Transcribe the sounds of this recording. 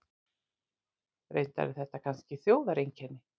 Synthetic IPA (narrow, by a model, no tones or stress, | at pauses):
ɾḛjnt̪a̰ðɪθɛht̪ːakʰanscɪθjoːwðaɾejɲcʰɛnːɪ